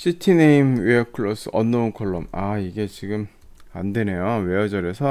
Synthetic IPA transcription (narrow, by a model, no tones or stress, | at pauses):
ɕʰitʰineimweʌkʰɯɭːos͈ʰɯ̰ʔʌ̰nːounkʰoɭːo̰maiɡe̞t͡ɕiɡɯm | andwe̞ne̞jowe̞jʌd͡ʑʌɾe̞sʰʌ